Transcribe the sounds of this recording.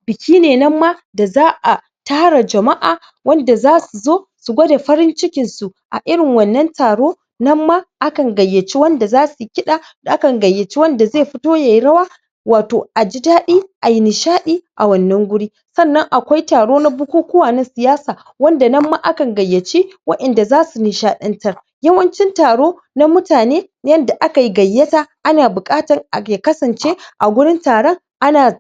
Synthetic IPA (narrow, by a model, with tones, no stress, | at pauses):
bɪ˨kʲʰiː˦neː˨nɐ˦mːa˦ | da˨zaː˦ʔa˨ | taː˦ɽa˨d͡ʒɐ˨ma˦ʔaː˨ | wɐ˦nda˨zaː˦su˨zoː˦su˨ɡʷɐ˦da˨ɸɐ˦ɾɪ˦nt͡ʃɪ˦kʲɪ˨nsu˨ | ʔa̰˨ʔɪ˦ɽɪ˨ŋwɐ˨nːɐ˦ntaː˨ɽoː˦ | nɐ˦mːa˦ʔa˦kɐ˨ŋɡɐ˨jːɐ˨t͡ʃi˦wɐ˦nda˨zaː˦su˨kʲɪ˦ɗaː˨ʔa˦kɐ˨ŋɡɐ˨jːɐ˨t͡ʃi˦wɐ˦nda˨zeː˦˨ɸɪ˦toː˦ja˨jɽɐ˦waː˦ | waː˨toː˨ʔa˨d͡ʒɪ˦daː˦ɗiː˦ʔa˨ji˦nɪ˨ʃaː˦ɗiː˦ʔa˨wɐ˨nːɐ˦ŋɡʷʊ˦ɽiː˦ | sɐ˦˨nːɐ˦ŋʔa˨kʷa˦jtaː˨ɽoː˦na˦bʊ˦kʷuː˦kʷʊ˦waː˨nɐ˦nsɪ˨jaː˦saː˨ | wɐ˦nda˨nɐ˦mːaː˦ʔa˦kɐ˨ŋɡɐ˨jːɐ˨t͡ʃi˦wɐ˦ɗɐ˨nda˨zaː˦su˨nɪ˨ʃaː˦ɗɐ˦ntɐ˦r | jɐ˦wɐ˦nt͡ʃɪ˦ntaː˨ɽoː˦ | na˦mʊ˦taː˨neː˦ | jɐ˦nda˨ʔa˦ka˨ji˦ɡɐ˨jːɐ˦taː˦ʔa˦naː˨bʊ˨kʼaː˦tɐ˨ŋa˨ke˨kɐ˦sɐ˨nt͡ʃeː˦ʔa˨ɡʷʊ˦ɽɪ˦ntaː˨ɽɔ˦ŋ | ʔa˦naː˨